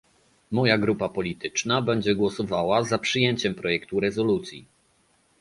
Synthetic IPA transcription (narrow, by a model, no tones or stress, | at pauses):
mɔjaɡɾupapɔlʲit̪ɘ̥t͡ʂnabɛɲd͡ʑɛɡwɔsɔvawazapʂɘjɛɲt͡ɕɛmpɾɔjɛkt̪uɾɛzɔlut̪sʲjḭ